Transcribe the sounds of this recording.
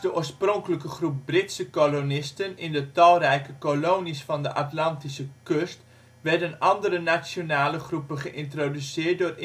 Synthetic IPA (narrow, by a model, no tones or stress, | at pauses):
dəʔoːsproŋkələkəχrup̚brɪtsəkolonɪstənɪndətɑlˠrɛjkəkoloːnisfɑndəʔatlɑntisəkøst | ʋɛɹdənɑndəɾənasjonaːləχrupənχəʔɪntrodysɪːət̚dʊːr